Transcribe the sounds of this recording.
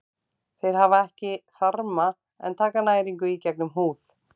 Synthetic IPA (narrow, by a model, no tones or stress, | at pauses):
θejɾ̥ɦavaɛhcɪθaɾma | ɛ̰nt̪ʰaːkanaːjɾiŋkʏicɛknʏmɦuːθ